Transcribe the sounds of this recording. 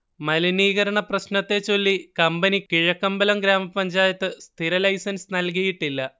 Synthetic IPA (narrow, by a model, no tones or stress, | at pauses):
mɐliniːɣɐɾɐɳɐprɐɕnɐt̪ːe̞t͡ɕo̞lːikɐmbɐnikiɻɐkːɐmbɐlɐmɡɾaːmɐpɐɲd͡ʑaːjɐt̪ːɨst̪ʰiɾɐlɐjsɐnsnɐlk̬ijiʈːilːɐ